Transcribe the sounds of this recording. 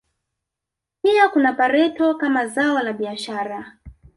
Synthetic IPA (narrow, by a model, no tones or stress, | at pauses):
piakunapaɾɛtɔkamazaɔlaɓiaʃaːɾa